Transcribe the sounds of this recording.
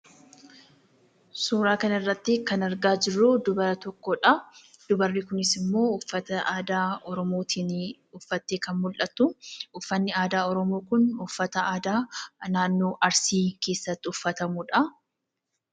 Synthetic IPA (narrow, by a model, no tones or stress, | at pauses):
suːɾaːkɐnɐɪrːɐt̪ːɪkɐnɐɾɡaːd͡ʒɪrːud̪ʊbɐɾɐt̪ɔkːɔᶑɐ | d̪̥ʊbɐrːɪkʊnɪsɪmːo̞ːʊfːɐt̪ɐʔaːd̪aːɔɾɔmoːt̪ʰiːn | ʊfːɐt̪ːeːkɐnmʊlʔɐt̪ːʊʔʊfːɐnːɪaːd̪aːɔɾɔmoːkʊnʊfːɐt̪ɐaːd̪aːnaːnːoːʔɐɾsiːke̞ːsːɐt̪ːɪʊfːɐt̪ɐmʊᶑɐ